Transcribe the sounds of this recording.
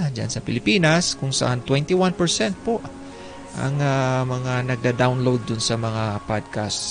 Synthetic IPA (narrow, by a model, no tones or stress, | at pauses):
d͡ʒa̰nsɐpɪlɪpiːnɐskʊŋsɐ̰ʔant̪wɛnt̪ɪwanpɛɹsɛnt̪̚poʔ | ʔɐ̰ŋamɐŋanɐɡ̚d̪ad̪awnlowd̪̚ːʊnsɐmɐŋapad̪̚kast̪s